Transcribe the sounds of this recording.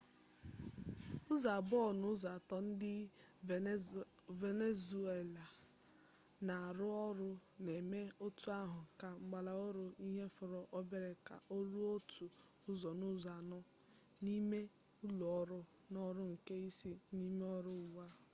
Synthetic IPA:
ʊ˦za˨bɔ˦˨nʊ˦za˨tɔ˨n̩˦dɪ˦ | ve˨ne˦zu˨˦e˨la˨ | na˨a˨ɾʊ˦ɔ˦ɾʊ˦ne˨me˦o˦tu˦a˦ɦʊ˨ka˨ŋ͡m̩˦ɡ͡ba˨la˨o˦ɾʊ˦i˦ɦe˦fʊ˨ɾɔ˨ʔɔ˦be˦ɾe˨ka̰˨ʔo˦ɾu˦o˦tʰu˨ | ʊ˦zɔ˨nʊ˦za˨nɔ˦ | ni˦me˦ | u˦lo˨ɔ˦ɾʊ˦ | nɔ˦ɾʊ˦ŋ̩˨ke˦i˦si˦ni˦me˦ɔ˦ɾʊ˦˨wa˦

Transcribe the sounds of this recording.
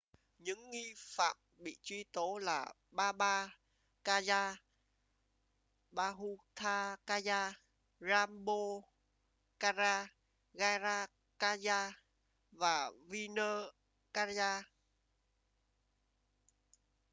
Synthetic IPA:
ɲɨ̰˧˥ŋːi˧fa̰ː˧˨m̚ɓḭ˧˨t͡ɕwi˧t̪o˨˦laː˨˩ | ɓaː˧ɓaː˧ | kaː˧zaː˧ | ɓaː˧ɦu˧t̪ʰaː˧kaː˧zaː˧ | zaː˧mɓo˧ | ka˧zaː˧ | ɣaː˧zaː˧ | kaː˧zaː˧ | vaː˨˩vi˧nəː˧ | kaː˧zaː˧

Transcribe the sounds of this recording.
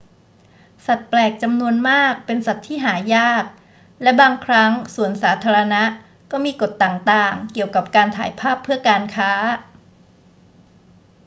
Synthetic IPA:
sa˨˩t̪̚plɛː˨˩k̚t͡ɕa˧mnu˧ənmaː˥˩k̚pe˧nsa˨˩t̪ʰːiː˥˩ɦaː˩˦jaː˥˩k̚ | lɛ˦˥baː˧ŋkʰɾa˦˥ŋsu˨˩ənsaː˩˦t̪ʰaː˧ɾa˧na˦˥ʔ | kɔː˥˩miː˧ko˨˩t̪ːaː˨˩ŋt̪aː˨˩ŋki˨˩əwka˨˩p̚kaː˧nt̪ʰaː˩˦jpʰaː˥˩pʰːɯ˥˩əkaː˧nkʰaː˦˥

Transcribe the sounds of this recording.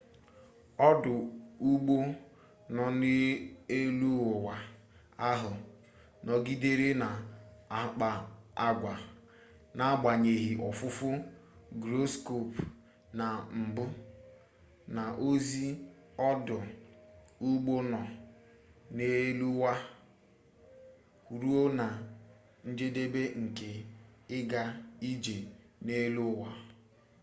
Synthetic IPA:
ɔ˦dʊ˨u˦ɡ͡bo˦ | nɔ˨ne˦e˦lu˦ʊ˨wa˨ | a˦ɦʊ˨ | nɔ˨ɡi˦de˦ɾe˦na˨˦ | k͡pa˨a˦ɡʷa˨ | na˦ɡ͡ba˨ɲe˨ɦi˨ʔɔ˨fʊ˦fʊ˦ɡɾo˦sko˦˨p | na˨m̩˨bʊ˦ | na˨ʔo˦zi˦ɔ˦dʊ˨ | u˦ɡ͡bo˦nɔ˨ | ne˦lu˦wa˦ | u˨ɾu˦o˦na˨ | n̩˦d͡ʒe˦de˦be˦ŋ̩˨ke˨ɪ˦ɡa˦i˦d͡ʒe˨ | ne˦lu˦wa˦

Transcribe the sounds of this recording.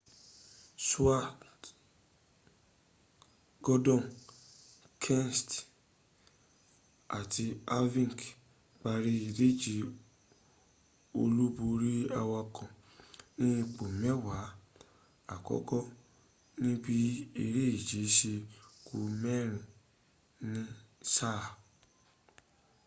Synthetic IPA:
su˦a˦˨ | ɡ̥ɔ˦dɔ̃˦˨n | kʰɛ̃˦n˨st | a˨ti˧a˦vĩ˦˨k | k͡pa˧ɾi˧i˧˨de˦d͡ʒi˨˦ | o˧lu˦bo˧ɾi˦a˧wa˧kɔ̃˨ | nĩ˦˧k͡po˨mɛ˦wa˨˦ | a˦˨kɔ̰˦kɔ˦ | nĩ˦bi˦i˧ɾe˦i˦˨d͡ʒe˨˦ʃi˧ku˧mɛ˦ɾ̃ũ˨ | nĩ˦sa˦˨

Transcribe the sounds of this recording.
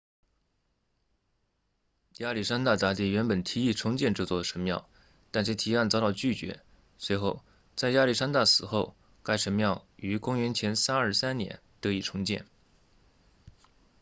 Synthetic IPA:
ja˥li˥˩ʂa˥nt̪a˥˩t̪a˥˧t̪̬i˥˩ɥɛ˧˥npə˨˩nt̪ʰi˧˥i˥˩ʈ͡ʂʰʊ˥ŋt͡ɕjɛ˥˧nʈ͡ʂɤ˥˧t͡swɔ˥˩ə˩ʂə˧˥nmjɑ˥˩ʊ | t̪a˥˧nʂt̪ʰi˧˥a˥˩nt͡sɑ˥ʊt̪ɑ˥˧ʊt͡ɕy˥˩t͡ɕɥɛ̰˧˥ | swe˧˥ɪxo˥˧ʊ | t͡sa˥˩ɪja˥li˥˩ʂa˥nt̪a˥˩sɹ̩˨˩xo˥˧ʊ | ka˥˩ɪʂə˧˥nmjɑ˥˩ʊy˧˥kʊ˥ŋɥɛ˧˥nt͡ɕʰjɛ˧˥nsa˥nə˞˥˧˩sa˥nnjɛ̰˧˥nt̪ɤ˧˥i˨˥˩ʈ͡ʂʰʊ˧˥ŋt͡ɕjɛ̰˥˩n

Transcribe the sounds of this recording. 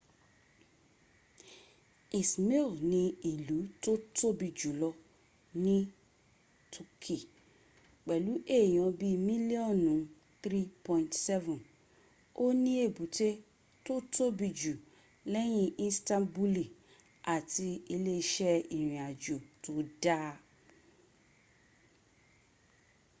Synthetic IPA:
i˨smi˦lnĩ˧i˨lu˨˦to˦to˦bi˧d͡ʒu˨lɔ˧ | nĩ˦ | tʰu˧kʰi˨ | k͡pɛ˨lu˨˦ʔe˦˨j̃ɔ̃˧bi˧mĩ˦li˦ɔ̃˦˨nũ˨˦ | θɾi˦pɔ̃˧ĩ˨ntsɛ˦vũ˨n | o˦nĩ˦e˦˨bu˨˦te˦ | to˦to˦bi˧d͡ʒu˨ | lɛ˦j̃ĩ˦ĩ˦stã˦bu˧li˨ | a˨ti˧i˧le˦˧ʃɛ˦i˨ɾ̃ĩ˨a˨d͡ʒo˨to˧da˦

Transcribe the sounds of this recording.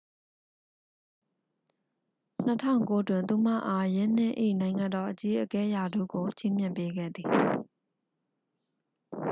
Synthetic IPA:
n̥ətʰã̰˦˨ʊ̃ŋko˦twɪ̃˨nt̪u˨m̥ä̰˦˨ʔa˦jɪ̃˦n̥ɪ̰̃˦˨ʔḭ˦˨nã˨ɪ̃ŋã˨ndɔ˨ʔət͡ɕi˦ʔəkɛ˦ja˨dṵ˦˨ɡo˨t͡ɕʰi˦˨m̥jɪ̰̃˦˨mpe˦ɡɛ̰˦˨d̪ði˨

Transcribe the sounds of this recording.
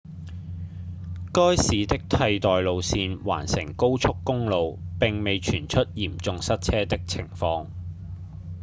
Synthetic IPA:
kɔː˥jsiː˨˧t̪ɪ˥k̚t̪ʰɐ˧jt̪ɔː˨jlo˨wsiː˧nwa̰ː˨˩nsɪ̰˨˩ŋko˥wt͡sʰʊ˥kːʊ˥ŋlo˨wpɪ˨ŋme˨jt͡ʃʰyː˨˩nt͡ʃʰɵ˥t̚jiː˨˩mt͡sʊ˨˧ŋsɐ˥t̚t͡sʰɛː˥t̪ɪ˥k̚t͡sʰɪ˨˩ŋfɔː˧ŋ

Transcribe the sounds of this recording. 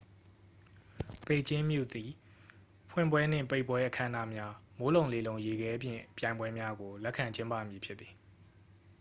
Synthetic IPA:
pe˦˨t͡ɕɪ̃˦mjṵ˦˨d̪i˨ | pʰwɪ̰̃˦˨mbwɛ˦n̥ɪ̰̃˦˨pe˦ɪpwɛ˦ʔəkʰã˦na̰˦˨mja˦mo˦lõ˨ʊ̃le˨lõ˨ʊ̃je˨ɡɛ˦ʔəpjɪ̰̃˦˨pjã˨ɪ̃mbwɛ˦mja˦ɡo˨lɛ˦ʔkʰã˨ɲt͡ɕɪ̃˦mpä̰˦˨mji˨pʰjɪ˦θi̥˨

